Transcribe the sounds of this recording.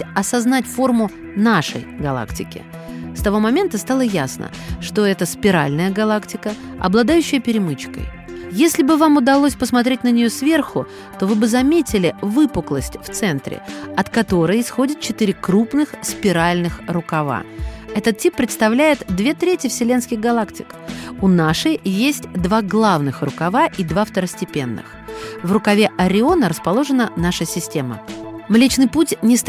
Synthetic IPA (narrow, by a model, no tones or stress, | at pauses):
ɐsɐznatʲfo̞rmʊ | naʂə̰jɡɐlˠa̰ktʲɪ̰kʲɪ̰ | st̪ɐvo̞mɐmʲent̪əst̪alˠəjasnə̰ | ʂt̪o̞ɛt̪əspʲɪɾa̰lʲnəjəɡɐlˠaktʲɪkə | ɐ̰blˠɐd̪ajʉɕːɪjəpʲɪɾʲɪmɨt͡ɕkə̰j | jesʲlʲɪbɨvamʊd̪ɐlˠosʲpəsmɐt̪ɾʲetʲnənʲɪjosvʲe̞rxʊ | t̪o̞vɨbɨzɐmʲetʲɪlʲɪvɨpʊklˠəsʲtʲft̪sɛnt̪ɾʲɪ̰ɐt̪kɐt̪o̞ɾɨjɪsxo̞dʲɪt̪̚t͡ɕɪt̪ɨɾʲɪkɾupnɨxspʲɪɾalʲnɨxrʊkɐva̰ɛt̪ət̪̚tʲːipːɾʲɪt̪st̪ɐvlʲæjɪt̪d̪vʲe̞t̪ɾʲetʲjɪfsʲɪlʲe̞nskʲɪɣɡɐlˠaktʲɪ̰k | ʊnaʂɨjjesʲtʲd̪vaɡlˠavnɨxrʊkɐvaʔid̪vaft̪əɾəsʲtʲɪpʲe̞nːɨ̰xvrʊkɐvʲeʔɐɾʲɪo̞nəɾəspɐlˠo̞ʐɨnənaʂəsʲɪsʲtʲe̞mə̰mlʲet͡ɕnɨjputʲnʲɪst̪